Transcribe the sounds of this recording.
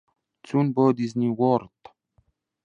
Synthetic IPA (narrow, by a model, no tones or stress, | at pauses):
t͡sunbɔːd̪iznʲiwɔɾt̪